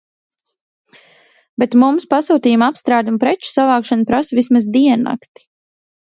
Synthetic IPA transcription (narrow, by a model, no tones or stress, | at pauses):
bɛt̪mumspasuːt̪iːjumapst̪ɾaːd̪umpɾɛt͡ʃu̥savaːkʃanupɾasvismazd̪iɛnːa̰kt̪i̥